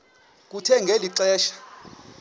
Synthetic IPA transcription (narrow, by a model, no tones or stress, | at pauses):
k̬ʼutʰɛŋɡʱeliǁɛːʃḁ